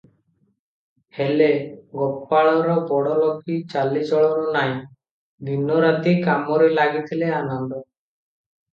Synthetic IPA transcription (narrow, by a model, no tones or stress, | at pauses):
heleɡɔpːaɭɔɾɔbɔɽɔlɔkit͡ʃalid͡ʒɔɭɔɾɔnaj | d̪inɔɾat̪ikamɔɾelaɡit̪ʰileanɔnd̪ɔ